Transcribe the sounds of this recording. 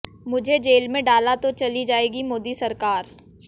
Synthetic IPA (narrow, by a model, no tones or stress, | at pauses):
mʊd͡ʒʱed͡ʒeːlmẽɖaːlat̪ot͡ʃɐlid͡ʒaːeːɡimoːd̪isɐɾkaːɾ